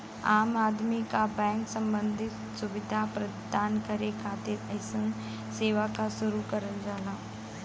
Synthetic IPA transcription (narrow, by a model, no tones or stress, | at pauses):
aːmaːd̪mikabɛ̃ːŋksɐ̃mbə̃nd̪ʱɪt̪sʊʋɪd̪ʱapɾɐdd̪aːnkəɾekʰaːt̪ɪɾɐɪsən | seːʋakasʊɾukɐɾəld͡ʒaːnaː